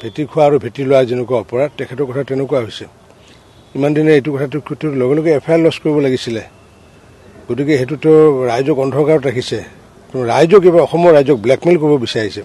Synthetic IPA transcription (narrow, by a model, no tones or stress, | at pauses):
bʱetikʰʊwaːɹubʱetilowazinɛkuaɔpɔɹatɛkʰɛtɔɹkɔtʰatɛnɛkuaɦojsɛ | imandinɛetukɔtʰatukʰutʰːɔtlɔɡɛlɔɡɛɛpʰajalːɔskoɹibɔlaɡisilɛ | ɡ̥ot̬ikɛɦetutɔɹajzɔkɔndʰʱɔkaɹɔtɹakʰisɛ | tɛmɔɹajzɔkebaɔxɔmɔɹajzɔk̚blɛkmilkoɹibɔbisaɹisɛ